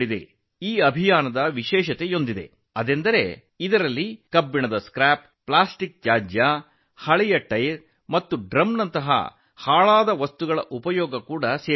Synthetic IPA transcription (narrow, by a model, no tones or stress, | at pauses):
id̪ḛ | iːɐbʱijaːnɐd̪ɐʋiʃɛːʃɐt̪ejo̞nd̪id̪e̞̰ | ɐd̪end̪ɐɾe̞ | id̪ɐɾɐlːikɐbːiɳɐd̪ɐskɾaːp̚ːɭaːsʈik̚d͡ʒaːd͡ʒja | hɐɭɛjɐʈɐjɾ | mɐt̪ːuɖɾɐmnɐnt̪ɐɦɐ̰ | haːɭaːd̪ɐʋɐst̪uɡɐɭɐ̰ʔupɐjɔːɡɐkuːɽɐseː